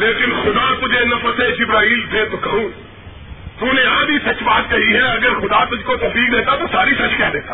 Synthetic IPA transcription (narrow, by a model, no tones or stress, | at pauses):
leːkɪnxʊd̪at̪ʊd͡ʒenɐpəsed͡ʒɪbɾaːɦiːldeːt̪okɐɦũ | t̪uneaːd̪ʱisɐt͡ʃbaːt̪̚kɐɦiɦɛɐɡəɾxʊd̪at̪ʊd͡ʒkot̪ɐpiːkd̪eːt̪at̪osaːɾisɐt͡ʃkɛɦd̪eːt̪a